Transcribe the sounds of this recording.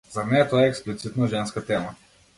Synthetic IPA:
zaɾnɛt̪ɔjɛɛksplit̪sit̪nɔʒɛnskat̪ɛma

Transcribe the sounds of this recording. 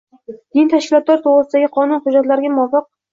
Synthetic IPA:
d̪̥ɪnt̪ʰaʃkʲɪlˠɒt̪laɾt̪ʰoʁɾɨsɪd̪aɡʲɪqʰɒnʊnχʊd͡ʒat̪laɾɪɡʲamɒfɨq̚

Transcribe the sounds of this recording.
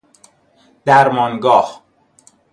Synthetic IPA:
d̪̥æɾmɒːnɡɒːh

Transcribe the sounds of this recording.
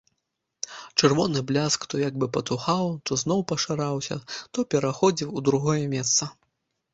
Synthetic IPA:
t͡ʂɨrvɔnɨblʲaskt̪ɔjaɡ̚bɨpɐt̪uxawt̪ɔznɔwpɐʂaɾawsʲɐ̰t̪ɔpʲɛɾaxɔd͡zʲiwud̪ɾuɣɔjɛmʲɛst̪sɐ

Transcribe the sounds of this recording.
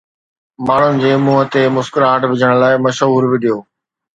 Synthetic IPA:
maːɳ̤ʊnɪ̆d͡ʑeːmuːɦət̪emʊskɪɾɦaʈbʱɪd͡ʑʱəɽ̃laːɪmɐʃɦuːɾbɪɗijoː

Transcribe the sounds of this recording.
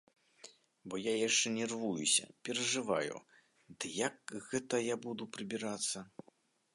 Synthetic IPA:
bɔjajaʂt͡ʂɛnʲɛrvujusʲɐ̰pʲɛɾɐʐɨva̰jṵ | d̪ɨjakɣɛt̪ɐjabud̪upɾɨbʲiɾat̪sːɐ

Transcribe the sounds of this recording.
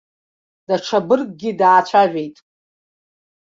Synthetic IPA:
d̥aʈ͡ʂʰabɨrkʼɡʲidaːt͡ɕʷʰaʒʷᶣe̞jtʼ

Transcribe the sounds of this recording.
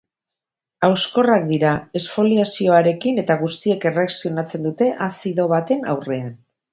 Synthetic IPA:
awsko̞rak̚d̪iɾae̞sfo̞liasio̞aɾe̞kine̞t̪aɣ̞ust̪ie̞ke̞reksionat͡se̞nd̪ut̪e̞ʔasiðo̞βat̪e̞na̰wre̞an

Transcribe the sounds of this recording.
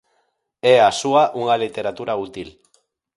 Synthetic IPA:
easuaʔuŋɡalit̪e̞ɾat̪uɾaut̪il

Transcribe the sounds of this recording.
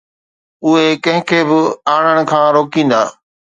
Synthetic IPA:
ʊɦekɐ̃ɦɪ̃kʰeːbɪaːɳ̃əɽ̃ʊ̆kʰãːɾoːkĩːnd̪aː

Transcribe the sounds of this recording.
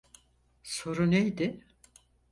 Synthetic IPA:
so̞ɾunejd̪ɪ

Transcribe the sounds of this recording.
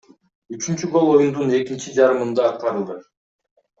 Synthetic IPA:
yt͡ʃynt͡ʃyɡo̞lˠo̞jund̪une̞kint͡ʃid͡ʒɑɾɯmɯnd̪ɑːt̪̚qɑɾɯlˠd̪ɯ

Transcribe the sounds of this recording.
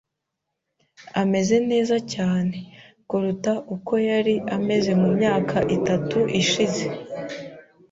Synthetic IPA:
ame̞ze̞ne̞ːzacaːne̞ | kuɾutaʔuko̞jaɾiame̞ze̞mumɲaːkʰaʔitatuʔiʃize̞

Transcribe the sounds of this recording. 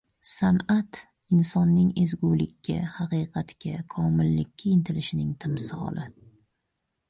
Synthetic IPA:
sanat̪ | ɪnsɒnːɪŋezɡulɪkʲːa̰hɑqiːqʰɑt̪kʲakʰɒmɪlːɪkʲʰːaɪnt̪ʰɪlɪʃɪnɪŋt̪ʰɪmsɪɒ̰lˠɪ

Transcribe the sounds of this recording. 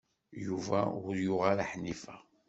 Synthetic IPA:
juvæ̰ʊɾjʊʁalaħnifæ

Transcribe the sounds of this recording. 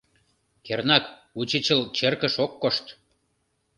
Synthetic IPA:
kernɑk | ut͡ɕit͡ɕəlt͡ɕerkə̆ʃokːoʃt̪

